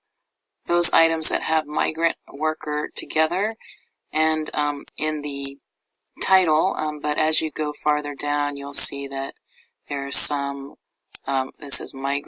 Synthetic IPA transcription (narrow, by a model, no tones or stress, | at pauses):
ðoʊza̰ɪɾɨ̃mzðɨ̰t̚həvma̰ɪɡɹɨ̃nʔwɜ˞kʰə˞tʰɨɡɛðə˞ | ʔɨ̃nʔɪ̃nðɨ | tʰaɪɾl̩ˠbʌɾʔɨzjɨɡoʊfɑɹðə˞dãʊ̃njulˠsiðɨt̪̚ | ðə˞sʌ̃m | ðɪsɨ̰zmaɪɡ